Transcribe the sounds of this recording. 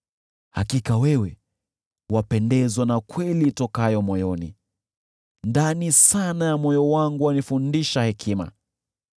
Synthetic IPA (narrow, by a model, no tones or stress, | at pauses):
ha̰kikawɛwɛ | wapɛndɛzwanakwɛlitɔkajɔmɔjɔnḭ | ndanisanajamɔjɔwaŋɡuwanifundiʃahɛkʰima̰